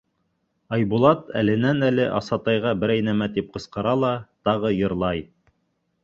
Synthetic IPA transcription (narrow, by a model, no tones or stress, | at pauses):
ɑjbulˠɑt̪æ̰lɘ̆nænælɘʔɑsɑt̪ɑjʁɑbɘ̆ɾæjnæmæt̪ip̚qɤ̆sqɤ̆ɾɑlˠɑt̪ɑʁɤjɤ̆ɾlˠɑj